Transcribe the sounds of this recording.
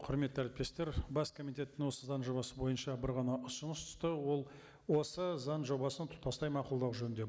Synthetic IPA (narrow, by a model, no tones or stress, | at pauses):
qʰʊɾme̞t̪ːæɾɪp̚t̪e̞st̪e̞ɾbɑskʰo̞mijt̪e̞t̪ːɪŋwo̞səzɑnʒo̞bɑsəbo̞jənʃɑbɪɾʁɑnɑʔʊsənəst̪ʰʊ̥st̪əwo̞lˠ | wo̞səzɑnʒo̞bɑsənt̪ʰʊ̥t̪pɑst̪ɑjmɑqʊlˠd̪ɑwʒɵnnd̪e̞